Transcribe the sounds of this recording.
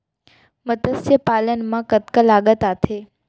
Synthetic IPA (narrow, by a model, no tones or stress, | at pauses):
mət̪əsjəpaːlənmãkət̪kəlaɠət̪at̪ʰe